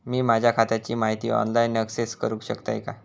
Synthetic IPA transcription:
miːmad͡ʑʱjakʰat̪jat͡ɕiːmaɦit̪iːɔ̰nlainəkseskəɾũːkɕəkt̪a̰jka

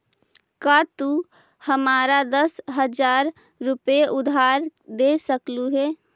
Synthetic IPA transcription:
kat̪u | həmaːɾad̪əsɦəd͡ʒaːɾː | ʊpeʔʊd̪ʱaːɾd̪esəkluɦeː

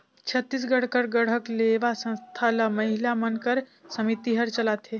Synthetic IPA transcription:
t͡ʃʰət̪ːis̬ɡəɽ̤kəɾɡəɽ̤əkleʋasə̃ñst̪ʰalaməɦilamənkəɾsəmit̪iɦəɾt͡ʃəlat̪ɦe

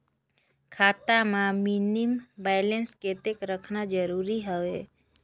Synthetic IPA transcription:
kʰat̪amãminimbajlensket̪ekɾəkʰnad͡ʒəɾuɾiɦəʋe

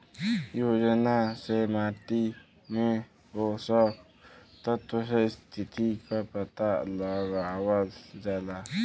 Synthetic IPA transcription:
joːd͡ʒənasemaːt̪i | mẽ | ɦosɔ | t̪ət̪osest̪ʰɪt̪ikapət̪aləɡawəld͡ʒala

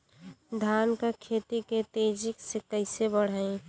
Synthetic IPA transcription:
d̪ʱaːnkakʰeːt̪it̪et̪ed͡ʒɪksekəɪsebəɽ̤aːẽ

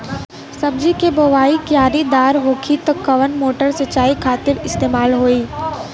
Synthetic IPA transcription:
sɐb̚d͡ʒikeboʋaːikjaːɾid̪aːɾʋokʰit̪kːɐʋənmoːʈəɾsɐt͡ʃaːikʰaːt̪ɪɾɪst̪eːmaːlɦoːiː

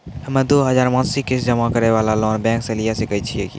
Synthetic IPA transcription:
hɐmẽd̪oːɦɐzaːɾmãːnsikɪsd͡ʒɐmakɐɾeʋaːlalɔːnbɛ̃ːŋksɐlijasekɐit͡ʃʰieɡḭː

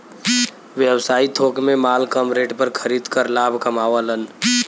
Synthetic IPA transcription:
ʋjəwsaːit̪ʰoːkmẽmaːlkəmɾeːʈpəɾkʰəɾiːd̪kəɾlaːbʱkəmaːʋələn

